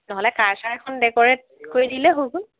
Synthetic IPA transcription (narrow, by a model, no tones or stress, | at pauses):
nɔɦɔlɛkaɹsaɛkʰɔndɛkɔɹɛt̚ | koɹidilɛɦokun